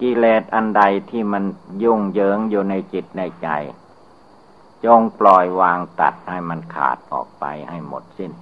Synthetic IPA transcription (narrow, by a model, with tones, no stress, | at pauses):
kiː˧leː˨˩t̪̚ʔa˧nda˧jt̪ʰiː˥˩ma˧nju˥˩ŋjɤː˦ŋjuː˨˩na˧jt͡ɕi˨˩t̪̚na˧jt͡ɕa̰˧j | t͡ɕo˧ŋplɔː˨˩jwaː˧ŋt̪a̰˨˩t̪̚ha˥˩jma˧nkʰa̰ː˨˩t̪̚ʔɔ̰ː˨˩k̚pa̰˧jha˥˩jmo̰˨˩t̪̚si˥˩n